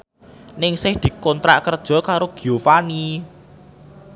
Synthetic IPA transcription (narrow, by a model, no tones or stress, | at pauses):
nɪŋsɪhd̪̥i̤kɔnt̪ɾa̰ʔkərd̥ʒ̥ɔ̤kaɾoɡ̥iofani